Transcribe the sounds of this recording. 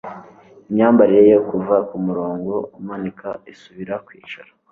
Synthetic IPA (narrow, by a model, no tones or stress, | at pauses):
iɲɲaːmbaɾiɾejokuvakumuɾoːŋɡo̞umanikʰa̰isuβiɾakwḭːt͡ʃaɾa